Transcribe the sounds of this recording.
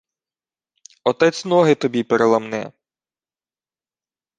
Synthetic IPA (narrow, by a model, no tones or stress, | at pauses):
ɔt̪ɛt͡sʲnɔɦɪt̪ɔbʲipeɾelˠɐmnɛ̰